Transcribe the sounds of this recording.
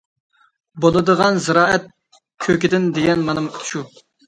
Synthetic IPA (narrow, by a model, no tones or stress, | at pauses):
bolˠɨd̪əʁɑnzɨɾɑːʔɛt̪̚ | kʲʰøkʲɪd̪ɪnd̪eɡʲɛnmɑnɨmt̪ʰʃu